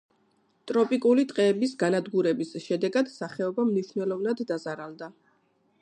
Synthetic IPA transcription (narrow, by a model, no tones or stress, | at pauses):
t̪ʼɾɔpʼikʼulit̪ʼqʼɛːbisɡanad̪ɡuɾɛbisʃɛd̪ɛɡad̪̥saχɛɔbamniʃnɛlˠɔvnad̪ːazaɾalˠd̪a